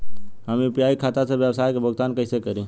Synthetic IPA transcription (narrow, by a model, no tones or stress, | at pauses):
ɦəmiʊpjaːikʰaːt̪asebjəwsaːjkebʱəɡt̪aːnkəɪsekəɾĩː